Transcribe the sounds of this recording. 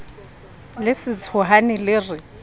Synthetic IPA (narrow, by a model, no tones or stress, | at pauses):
lɪsɪt͡sʰʊɦanɪlɪːrɪ